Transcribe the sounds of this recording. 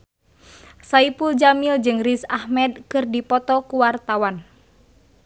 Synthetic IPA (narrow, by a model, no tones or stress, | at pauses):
saipuld͡ʒamild͡ʒɨŋrisahmɛd̚kɨrdipɔt̪ɔkuwart̪awan